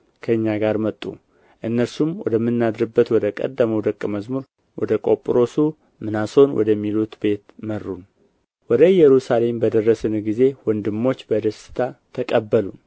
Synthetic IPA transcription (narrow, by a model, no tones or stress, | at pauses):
kʰəɨɲːaɡaɾmət̪ʼːṵ | ʔɨnːəɾsumwɔ̰d̪əmːɨnːad̪ɾɨbːət̪wɔd̪əkʼə̰d̪ːəməwd̪əkʼːməzmuɾ | wɔd̪əkʼopʼɾo̞su | mɨnaso̞nwʔɔ̰d̪əmːilut̪be̞t̪mərːun | wɔd̪əjɛɾusale̞mbəd̪ərːəsɨnɡize̞wɔnd̪ɨmːo̞t͡ʃːbəd̪əsɨ̥t̪ʰat̪ʰəkʼəbːəlun